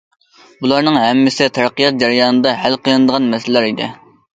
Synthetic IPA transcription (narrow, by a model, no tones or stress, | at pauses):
bulˠɑɾnɨŋɦɛmːɪsɪt̪ʰæɾqijɑt̪̚d͡ʒɛɾjɑːnɨd̪ɑɦælqʰijɨnɨd̪əʁɑnmɛslæɾid̪ɪ̰